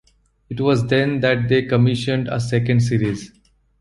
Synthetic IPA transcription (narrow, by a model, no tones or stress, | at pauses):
ɪʈʋɔːzd̪ɛ̃nd̪æʈ̚d̪eːkəmɪʃə̃ɳɖə̰sɛkə̃ɳɖs̬iːɾiz